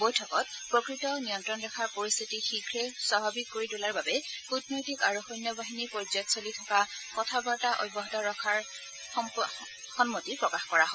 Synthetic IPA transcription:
bojtʰɔkɔt̚pɹɔkɹitɔnijɔntɹɔndɛkʰaɹpoɹist̪ʰitixikʰɹɛswabʱabikːoɹitulaɹbabɛkutnojtikaɹuxɔjnjɔbaɦinipoɹzɔtsolitʰɔkakɔtʰabaɹtaʔɔ̰jbɔɦɔtɔɹɔkʰaɹ | xɔnmotipɹɔkaxkɔɹaɦɔ

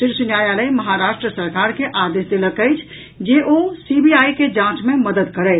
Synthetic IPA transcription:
siɾsunjajaləjməɦaɾasʈɾəsəɾkaɾkeʔad̪esd̪eləkəjt͡ʃʰ | d͡ʒeʔosibiajked͡ʒãt͡ʃmeməd̪əd̪kəɾɛ

